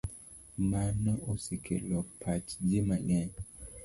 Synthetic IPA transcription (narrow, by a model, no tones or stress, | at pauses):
manɔosikʰḛlɔpʰat͡ʃd͡ʒimaɲaɲ